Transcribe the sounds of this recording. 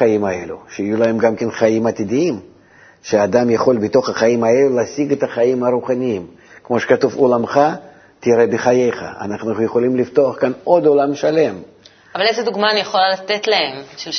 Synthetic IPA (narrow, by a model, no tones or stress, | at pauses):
ajimae̞̰lʲṵʃeijulae̞mɡamkʲenχaimat̪ʲid̪ʲiim | ʃead̪amjaχo̞lbɪt̪o̞χɐχajimae̞lulasʲiɡet̪ɐχaimaɾuχanʲiim | kmo̞ʃe̥kat̪uvolamχa | t̪ʲɪɾebʲɪχajejχa̰a̰naχnujeχo̞lʲimlift̪o̞ɐχkano̞d̪o̞lamʃale̞m | avalezed̪uɡmaːnijeχolalat̪et̪laemʃel